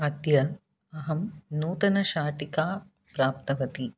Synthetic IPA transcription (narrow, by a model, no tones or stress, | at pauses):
ɐd̪jɐ | ɐɦɐmnuːt̪ɐnɐʃaːʈikaː | pɾaːp̚t̪ɐʋɐt̪i